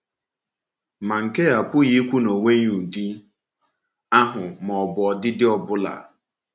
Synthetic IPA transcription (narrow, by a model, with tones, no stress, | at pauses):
ma˨ŋ̩˨ke˦a˨pʊ˦ɣi˦kʷu˦no˨ŋe˦ɲu˨di˦ | a˦ɦʊ˨mɔ˨bɔ˨dɪ˦dɪ˦ɔ˨bʊ˦la̰˨